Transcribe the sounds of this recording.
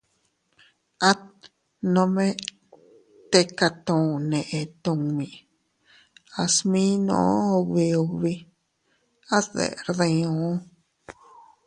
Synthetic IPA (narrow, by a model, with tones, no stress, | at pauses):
a˦t̪̚ | nõ˧mẽ˦ | t̪e˧ka˧t̪õ˨nẽ˨ʔẽ˧t̪õ˧ŋmĩ˨ | a˧smĩ˦nõ̰˨˦o˧βi˧o˧βi˧ | a˦ðḛ˨ɾðẽ˧õ˨˦